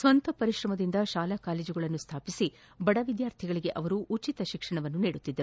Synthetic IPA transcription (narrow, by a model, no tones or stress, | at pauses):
sʋɐnt̪ɐpɐɾiʃɾɐmɐd̪ind̪ɐʃaːlakaːleːd͡ʒuɡɐɭɐnːust̪ʰaːpisi | bɐɽɐʋid̪jaːɾt̪ʰiɡɐɭiɡe̞ʔɐʋɐɾuʔːt͡ʃit̪ɐʃikʂɐɳɐʋɐnːuniːɽut̪ːid̪ːɐɾu